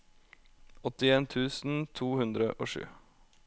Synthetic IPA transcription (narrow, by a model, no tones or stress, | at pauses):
ɔt̪ɪeːnt̪ʰʉːsn̩t̪ʰuːhʉnd̪ɾə̰ʔo̰ːʂʉ̰ː